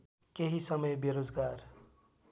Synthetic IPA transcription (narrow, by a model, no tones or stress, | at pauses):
keɦisʌmʌjbjeɾod͡zɡaɾ